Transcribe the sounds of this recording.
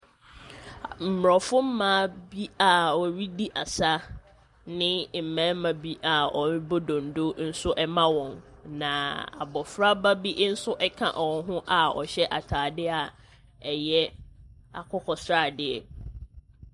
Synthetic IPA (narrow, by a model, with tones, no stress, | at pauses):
m̩˨m˨ɾɔ˨fʊ˦m̩˦mãː˦bi˦a˨ɔ˨ɥi˦di˦ʔa˨sa˦ | nɪ̃˦m̩˨mã˦mã˨bi˦ʔa˨ɔ˨m˦bo˦dõ˨n̩˨do˦n̩˦sʊ˦ʔɛ˦mã˦wɔ̃˨nnã˨a̰˨bɔ˨fɾa˦ba˦bi˦ʔn̩˦sʊ˦ʔɛ˦kʰã̰˨ʔɔ˨˦ɦʊ̃˦ʔa˨ɔ̰˨ɕɛ˦ʔa˨tʰaː˨dɪ˦a˨ | ɛ˨jɛ˦ | a̰˨kʰɔ˦kʰɔ˨sɾa˦˨dɪ˨ɛ˨